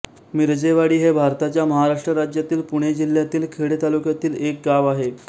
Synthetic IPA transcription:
miɾd͡ʑeʋaɽiːɦebʱaɾt̪at͡ɕjaməɦaɾaʂʈɾəɾad͡ʑjat̪iːlpuɽ̃ed͡ʑil̤jat̪iːlkʰeɽet̪alukjat̪iːlek̚ɡaʋaɦe

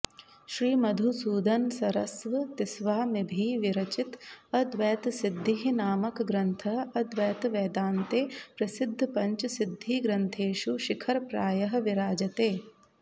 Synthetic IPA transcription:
ʃɾiːmɐd̪ʱusuːd̪ɐnsɐɾɐsʋɐt̪isʋaːmibʱiːʋiɾɐt͡ʃit̪ɐd̪ʋɛːt̪sid̪ʱːiɦinaːmɐkɡɾɐnt̪ʰɐɦɐd̪ʋɛːt̪ʋɛːd̪aːnt̪eːpɾɐsid̪ʱːpɐɲt͡ʃsid̪ʱːiːɡɾɐnt̪ʰeːʃuʃikʰɐɾpɾaːjɐɦɐ̆ʋiɾaːd͡ʒɐt̪eː

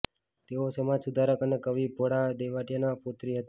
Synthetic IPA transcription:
t̪eosəmad͡ʒsud̪ʱaɾəkənekəʋibʱoɽad̪eʋaʈjənapot̪ɾiɦət̪

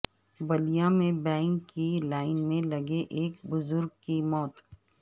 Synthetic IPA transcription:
bɐlijamẽbɛ̃ːŋkːilaːɪnmẽlɐɡeʔeːk̚bʊzʊɾɡ̚kimɔːt̪

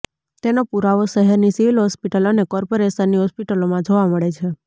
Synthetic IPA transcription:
t̪enopuɾaʋoʃəɦɛɾnisiʋilɦɔspiʈəlonekɔɾpoɾesənːiɦɔspiʈəlomãd͡ʒoʋaməɭet͡ʃʰe

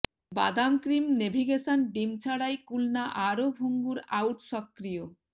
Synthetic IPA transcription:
ba̰d̪amkɾimnebʱiɡeʃanɖimt͡ɕʰaɽajkulnaʔaɾobʱuŋɡuɾawʈʃɔkːɾijo

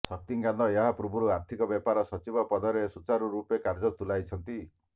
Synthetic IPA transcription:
sɔk̚t̪iŋɡand̪ɔeɦapɾubʱuɾuaɾt̪ʰikɔbjepaɾɔsɔt͡ʃibɔpɔd̪ɔɾesut͡ʃaɾuɾupekaɾd͡ʒɔt̪ulajt͡ʃʰɔnt̪i

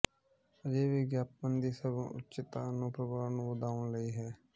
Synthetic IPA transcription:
əd͡ʒeːʋiːɡjaːp̚mənd̪iːsəb̰̃ʔʊ̰tːt͡ʃɪt̪aːnũːpɾəbaːɾnũːʋəd̪aːʋəɳləiːɦɛː

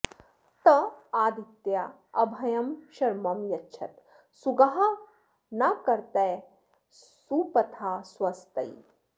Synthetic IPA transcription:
t̪ɐaːd̪it̪ja | ɐbʱɐjɐmʃɐɾmɐmjɐtːʃʰɐ̰t̪ | suɡɐɦa | nɐkɐɾt̪ɐj | suːpɐt̪ʰaːswɐst̪ɐj

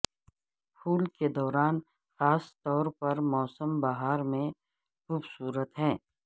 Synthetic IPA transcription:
pʰuːlked̪ɔːɾaːn | xaːst̪ɔːɾpɐɾmɔːsəmbaɦaːɾmẽ | xuːbsuːɾət̪ɦɛ̃ː

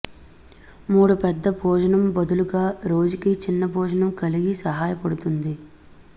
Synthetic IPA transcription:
muːɽupɛd̪ːɐbʱɔːd͡ʒɐɳɐmbɐd̪uluɡaːɾo̞ːd͡ʒukit͡ʃinːɐbʱɔːd͡ʒɐnɐmkɐliɡisɐɦaːjɐpɐɽut̪und̪i

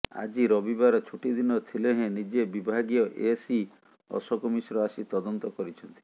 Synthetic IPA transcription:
a̰d͡ʒiɾɔbibaɾɔt͡ʃʰuʈid̪inɔt̪ʰileɦẽnid͡ʒebibʱaɡiɔʔesi | ɔ̰sɔkɔmisɔɾɔasit̪ɔd̪ɔnt̪ɔkɔɾit͡ʃʰɔnt̪i̥

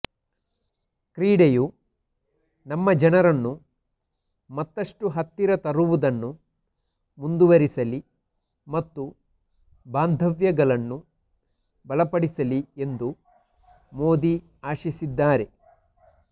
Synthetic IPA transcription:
kɾiːɽeju | nɐmːɐd͡ʒɐnɐɾɐnːu | mɐt̪ːɐʂʈuɦɐt̪ːiɾɐt̪ɐɾuʋud̪ɐnːu | mund̪uʋɐɾisɐli | mɐt̪ːu | baːnd̪ʱɐʋjɐɡɐlɐnːu | bɐlɐpɐɽisɐlie̞nd̪u | moːd̪i | aːʃisid̪ːaːɾe̞

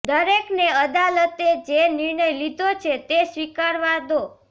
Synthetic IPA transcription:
d̪əɾekneəd̪alət̪ed͡ʒenɪɾɳəjlid̪ʱot͡ʃʰet̪esʋikaɾʋad̪o

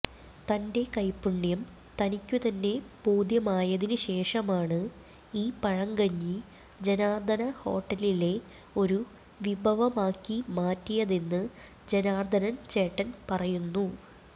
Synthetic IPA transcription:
t̪ɐnde̞kɐjpːuɳːjɐm | t̪ɐnikʲːut̪ɐnːe̞b̥oːd̪jɐmaːjɐðinuɕe̞ːʂɐmaːɳɨ | iːpɐɻɐŋɡɐɲːi | d͡ʑenaːrd̪ʱɐnɐho̞ːʈːɐlile̞ | o̞ɾu | ʋibʱɐʋɐmaːkːimaːtːijɐðe̞nːɨ | d͡ʑenaːrd̪ʱɐnɐnt͡ɕe̞ːʈːɐnpɐrɐjunːu

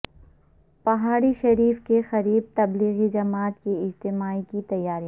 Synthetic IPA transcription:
pɐɦaːɾiʃɐɾiːfkexɐɾiːb̚t̪ɐbliːɣid͡ʒɐmaːt̪keɪd͡ʒt̪ɪmaːikit̪ɐjːaːɾija

